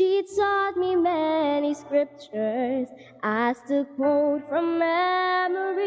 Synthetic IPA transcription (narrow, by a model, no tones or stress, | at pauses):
ʃitʰɔt̚mimɛniskɹɪp̚t͡ʃə˞z | ʔastɨkʰwoʊtfɹʌ̃mːɛməɹi